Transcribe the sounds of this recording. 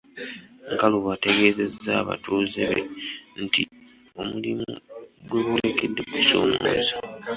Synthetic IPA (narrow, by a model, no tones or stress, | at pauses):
ŋkaluβate̞ɡe̞ːze̞zːaːβa̰tuːzeβe̞̰nti | o̞mulimuɡwe̞βulekedːe̞kuso̰ːmo̰za